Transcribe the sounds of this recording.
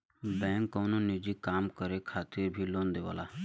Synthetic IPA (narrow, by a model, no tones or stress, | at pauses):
bɛ̃ːŋkːoːnonid͡ʒikaːmkəɾekʰaːt̪ɪɾbʱilõːnd̪eʋa̰ːlaː